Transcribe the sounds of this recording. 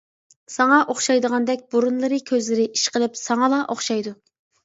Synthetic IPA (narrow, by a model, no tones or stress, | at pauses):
sɑŋɑʔoχʃɑjd̪əʁɑnd̪ɛk̚ʲboɾunlˠɨɾɨkʲʰøzlɪɾɪʔiʃqəlˠɪpsɑŋɑlˠɑʔoχʃɑjd̪u